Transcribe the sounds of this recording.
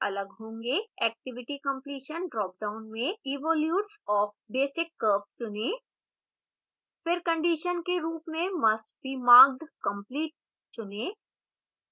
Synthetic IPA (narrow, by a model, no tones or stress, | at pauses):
ɐləɡɦõːŋɡeɛːk̚ʈɪʋɪʈikə̃mpliːʃənɖɾɔːk̚ɖãʊ̃nmẽiːʋɔːljuːʈsɔːfbeːsɪkːəːpt͡ʃʊne | fɪɾkɐ̃ɳɖiʃənkeɾuːpmẽmɐsʈ̚bʱiːmaːɡ̚ɖkə̃mpliːʈ̚ | t͡ʃʊneː